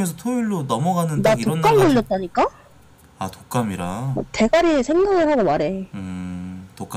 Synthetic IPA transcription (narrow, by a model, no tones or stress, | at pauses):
esʰʌtʰoiɭːonʌmʌɡanɯndaitoʌnk͈amɡɯɭːʌt̚t͈aɲik͈a | atok͈amiɾate̞ɡaɾiesʰe̞ŋɡaɡɯɭɦaɡomaɾe̞ɯtok͈